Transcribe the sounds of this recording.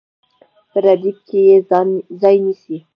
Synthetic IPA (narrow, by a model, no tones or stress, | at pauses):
pəɾad̪ip̚kejezɑjnisi